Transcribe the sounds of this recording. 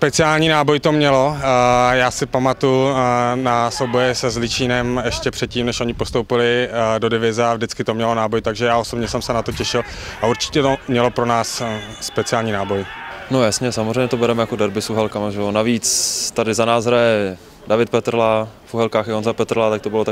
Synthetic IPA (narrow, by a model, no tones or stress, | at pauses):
spɛt͡sɪjaːlɲiːnaːbo̞jt̪o̞mɲɛlo̞jaːsɪpamat̪ujunasowbojɛsɛzlɪt͡ʃiːnɛmɛʃcɛpr̥ɛt̪̚ciːmnɛʃʔo̞ɲɪpo̞st̪owpɪlɪdo̞dɪvɪzɛavdɪt͡skɪt̪omɲɛlo̞naːbojt̪aɡʒɛjaːo̞so̞bɲɛsɛmsɛnat̪o̞cɛʃɪl | auɾt͡ʃɪ̥cɛt̪omɲɛlo̞pɾo̞naːsːpɛt͡sɪjaːlɲiːnaːbo̞jnojasɲɛsamozejɲɛt̪obɛɾɛmɛjako̞dɛɾbɪsuɦɛlkamaʒɛjonaviːt͡st̪adɪzanaːzɦɾajɛ | davɪt̪̚pɛt̪rlafʔuɦɛlkaːxjaonzapɛt̪ɾlat̪ak̚t̪o̞bɪlot̪a